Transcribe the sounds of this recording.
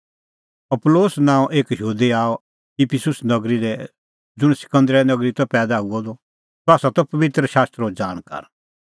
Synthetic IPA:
ɐploːsnãːʔeːkjuːd̪iaːɔ | ipʰɪsʊsnɐɡɾilɛ | d͡zʊɽ̃sɪ̥kə̃nd̪ɾɛnɐɡɾit̪ɔpɛːd̪auɔd̪ɔ | t̪ɔaːsat̪ɔpɐʋɪt̪ɾəʃaːst̪ɾod͡ʒaːɽ̃ka̰ɾ

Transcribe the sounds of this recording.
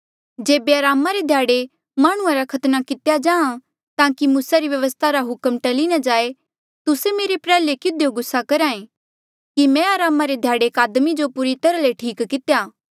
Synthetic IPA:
d͡ʒeːbeaɾaːmaɾed̪ʱjaːɽe | maːɽ̃ʊ̃ãɾakʰɐt̪nakɪt̪ejad͡ʒãːã | t̪ãːkimuːsaɾiʋjɐʋəst̪ʰaɾaɦʊkəmʈɐliñad͡ʒaːe | t̪ʊsemeːɾepɾɛːlekɪd̪ʱjoɡʊsːakɐɾãːẽ | kimɛ̃aːɾaːmaɾed̪ʱjaːɽekaːd̪mid͡ʒopʊːɾit̪ɐɾaleʈʰiːkkɪt̪ejaː

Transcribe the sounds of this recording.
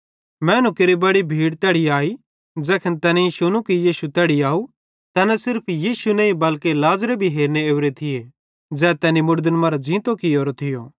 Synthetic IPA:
mɛːnukeɾibɐɽibʱiːɽt̪ɛːɽiaːi | d͡zɛːkʰənt̪ɛːniisʊnukijiːsut̪ɛːɽiaːu | t̪ɛːnasɪɾpʰjiːsunɐ̃ĩbɐlkelaːzɾebʱiɦeːɾneeːʋɾet̪ʰɪje | d͡zɛːt̪ɛːnimʊɾd̪ənmɐːɾad͡ʒĩːt̪okioːɾot̪ʰɪjoː

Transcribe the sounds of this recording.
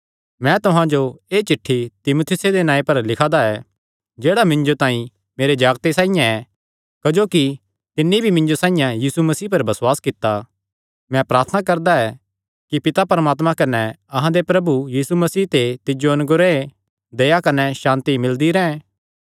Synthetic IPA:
mɛ̃t̪ʊɦãd͡ʒoeːt͡ʃɪʈʰːit̪ɪmoːt̪ʰɪsed̪enaːẽpɐɾlɪkʰad̪aɛ | d͡ʒeːɽamɪ̃nd͡ʒot̪ãːĩ | meːɾed͡ʒaːɡt̪esãːijãɛ | kɐd͡ʒoːki | t̪ɪnːibʱimɪ̃nd͡ʒosãːĩjãjiːsumɐsiːpɐɾbɐswaːskɪt̪ːa | mɛ̃pɾaːɾt̪ʰənakɐɾd̪aɛ | kipɪt̪apɐɾəmaːt̪mãkɐnɛ | ɐɦãd̪epɾɐbujiːsumɐsiːt̪et̪ɪd͡ʒoɐnʊɡʊɾe | d̪eːakɐnɛʃãːnt̪imɪld̪iɾɛ̃ɛ̃

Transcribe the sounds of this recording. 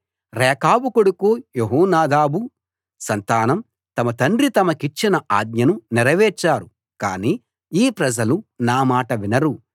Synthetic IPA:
ɾɛːkaːbukuɽukoːjoɦɔːnaːd̪aːbu | sɐnt̪aːnɐm | t̪ɐmɐt̪ɐɳɖɾit̪ɐmɐkit͡ʃːinɐʔaːd̪̚ɲɐnunɛɾɐʋɛːɾt͡ʃːaːɾu | kaːniː | iːpɾɐd͡ʒɐlunaːmaːʈɐʋinɐɾu

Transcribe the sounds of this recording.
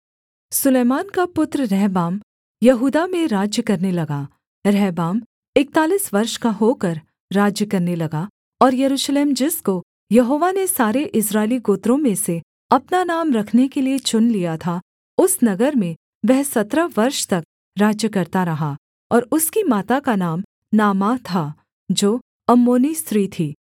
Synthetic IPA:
sʊleːmaːnkapʊt̪ɾəɾɛɦbaːm | jɐɦuːd̪amẽɾaːd͡ʒjəkɐɾnelɐɡa | ɾɛːbaːm | ɪk̚t̪aːliːsʋɐɾʃkaɦoːkɐɾ | ɾaːd͡ʒjəkɐɾnelɐɡa | ɔːɾjɐɾuːʃleːmd͡ʒɪsko | jɐɦoːʋanesaːɾeʔɪsɾaːɪliɡoːt̪ɾõmẽse | ɐpnanaːmɾɐkʰnekeliet͡ʃʊnlijat̪ʰa | ʊsnɐɡəɾmẽ | ʋɛɦsɐt̪ɾəʋɐɾʃt̪ɐk̚ | ɾaːd͡ʒjəkɐɾt̪aɾɐɦa | ɔːɾʊskimaːt̪akanaːm | naːmaːt̪ʰa | d͡ʒoː | ɐmːoːnist̪ɾiːt̪ʰiː

